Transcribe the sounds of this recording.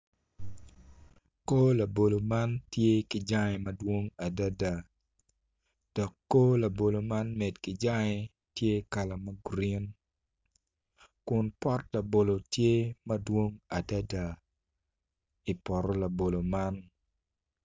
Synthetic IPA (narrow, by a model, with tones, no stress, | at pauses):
ko˦la˨bo˨lo˨ma˦ntje˦ki˨d͡ʒa˦ŋɛ˨mɐdwo˦ŋa˨da˦da˨ | d̥ɔ˨kːo˦la˨bo˨lo˨ma˦nmɛ˨dki˨d͡ʒa˦ŋɛ˨ | tje˦ka˨la˨mɐ˦ɡɾi˦n | kʊ˨npɔ˦tla˨bo˨lo˨tje˦mɐ˦dwo˦ŋa˨da˦da˨ | i˨pɔ˨ɾɔ˦la˨bo˨lo˨ma˦n